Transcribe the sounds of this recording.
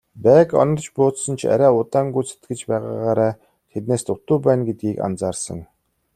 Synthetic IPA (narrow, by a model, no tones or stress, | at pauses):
pæːkɔ̰nɞ̆rt͡ɕpʊːt̪sə̆nt͡ɕʰa̰ɾʲæːʊt̪aːŋɡujt͡sʰe̥t̪ɡɘ̆t͡ɕpæːʁa̰ːʁaːɾaː | t̪ʰet̪neːst̪ʊt̪uːpæːnɡet̪̚ɡiːka̰nt͡saːrsə̰̆ŋ